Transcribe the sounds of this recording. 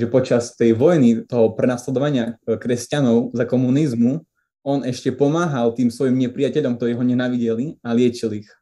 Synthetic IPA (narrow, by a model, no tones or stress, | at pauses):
ʒɛpɔt͡ʃast̪ɛjʋɔjnit̪ɔɦɔpɾɛnaslɛd̪ɔʋaɲɪakɾɛscanɔʊzakɔmunizmu | ɔnɛʃcɛpɔmaːɦalt̪iːmsʋɔjimɲɛpɾɪjacɛʎɔmk̚t̪ɔɾiːɦɔɲɛnaʋiɟɛlialɪɛt͡ʃilix